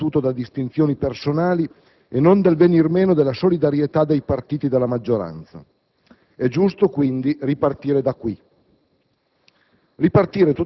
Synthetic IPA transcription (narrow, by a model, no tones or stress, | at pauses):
uːt̪od̪ad̪ist̪int̪sjoːnipersonaːli | enːond̪elvenirmeːnod̪elːasolid̪aɾjet̪ad̪ejpart̪iːt̪id̪elːamad͡ʒːoɾa̰nt̪sa̰ | ɛd͡ʒust̪okwind̪iripart̪iːɾed̪akːwi | ripart̪iːɾet̪u